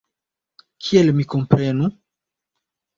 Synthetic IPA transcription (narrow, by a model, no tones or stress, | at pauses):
kʰielmikompɾenu